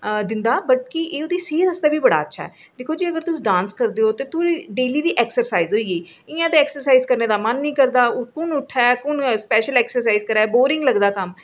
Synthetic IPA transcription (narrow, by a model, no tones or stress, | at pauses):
d̪ɪnd̪aːbəʈ̚kiʔeːod̪iːseːd̪əsd̪aːbiːbəɽa̰ːətːʃʰa̰ːɦɛ̰ː | d̪ekʰoːd͡ʒiːəɡəɾt̪ʊsiːɖãːnskəɾd̪eːoːt̪eːt̪ʰoːɾiːɖeːliːd̪iːʔɛːksəɾsaːizɦoːiːɡiː | ɪjãːd̪eɛːksəɾsaːiːzkəɾneːd̪aːmənːĩːkəɾd̪aːʊkʊnʊʈʰːɛːkʊnspɛːʃəlɛːksəɾsaːizkəɾaːboːɾɪ̃ŋɡləɡd̪aːkəm